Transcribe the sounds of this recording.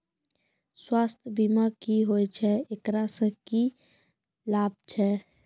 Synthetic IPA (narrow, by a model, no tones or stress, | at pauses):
swaːst̪ʰbimakiɦojt͡ʃʰɛekɾasə̃ki | laːb̚t͡ʃʰɛ